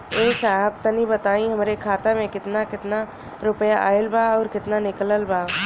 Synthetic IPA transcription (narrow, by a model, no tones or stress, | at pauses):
eːsaːɦəb̚t̪ɐnibət̪aːĩɦəmɾekʰaːt̪amẽkɪt̪nakɪt̪na | ɾʊpəjaʔaːəlbaɔːɾkɪt̪nanɪkləlbaː